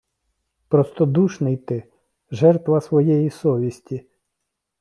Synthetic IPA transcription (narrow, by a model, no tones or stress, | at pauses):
pɾɔst̪ɔd̪uʃnɪjt̪ɪ | ʒɛrt̪ʋɐsʋɔjɛjisɔʋʲisʲtʲi